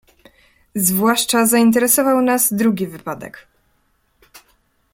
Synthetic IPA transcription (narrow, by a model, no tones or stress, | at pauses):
zvwaʂt͡ʂazaint̪̬ɛɾɛsɔvawnazd̪ɾuɡʲivɘpad̪ɛ̰k